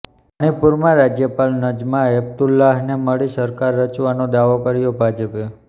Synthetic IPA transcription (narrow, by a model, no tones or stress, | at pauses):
paɽ̃ipuɾmãɾad͡ʒjəpalnəd͡ʒmãeb̚t̪ulːaɦneməɭisəɾkaɾːət͡ʃʋanod̪aʋokəɾjobʱad͡ʒəpe